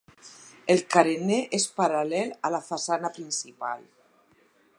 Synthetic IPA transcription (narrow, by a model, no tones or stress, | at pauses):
elkaɾeneʔespaɾalɛlalafasanapɾinsipa̰l